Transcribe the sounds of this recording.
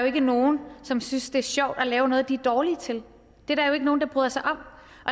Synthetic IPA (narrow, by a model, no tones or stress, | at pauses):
joe̝ɡ̥əno̝ːn̩sɒ̽msynsd̥e̝æɐɕɒʊ̰d̥ɒlɛːʊnɔ̽ːð̞̩ˠd̥iæɐd̥ɒːlit͡sʰe̝l | d̥e̝ɾæɐjoeɡəno̝ːnd̥ɑ̈b̥ʁyðˠɐsɑ̈ɪʔɒ̽m̥̰ | ʔɒ̽